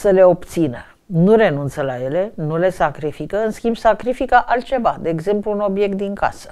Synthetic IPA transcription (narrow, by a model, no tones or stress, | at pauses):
səle̞o̞pt̪sinə | nuɾe̞nunt̪səlaje̞le̞nule̞sakɾifikəɨnskʲimbsakɾifikəʔalt̪̚t͡ʃe̞vad̪e̞ːɡze̞mpluːno̞bje̞k̚t̪̚d̪iŋka̰sə̥